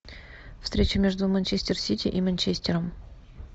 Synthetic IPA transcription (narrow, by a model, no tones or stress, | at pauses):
fst̪ɾʲet͡ɕɪmʲeʐd̪umɐnʲt͡ɕesʲtʲersʲitʲiʔimɐnʲt͡ɕesʲtʲeɾəm